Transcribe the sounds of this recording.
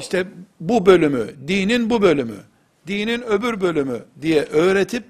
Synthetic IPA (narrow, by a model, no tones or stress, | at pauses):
iʃt̪ʰɛbubø̞lʲymy̰d̪iːninbubø̞lʲymy̰ | d̪iːninø̞byɾbølʲymyd̪ijɛʔøːɾet̪ʰip̚